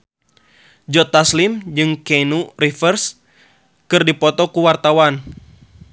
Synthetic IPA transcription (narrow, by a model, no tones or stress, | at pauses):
d͡ʒɔt̪aslimd͡ʒɨŋkɛnurifərs | kɨrdipɔt̪ɔkuwart̪awan